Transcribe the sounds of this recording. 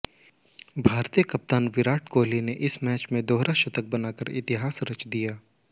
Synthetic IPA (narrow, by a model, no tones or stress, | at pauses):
bʱaːɾt̪ijəkɐp̚t̪aːnʋɪɾaːʈʰkoːlineʔɪsmɛːt͡ʃmẽd̪oːɦɾaʃɐt̪ək̚bɐnaːkəɾɪ̰t̪ɪɦaːsɾɐt͡ʃd̪ijaː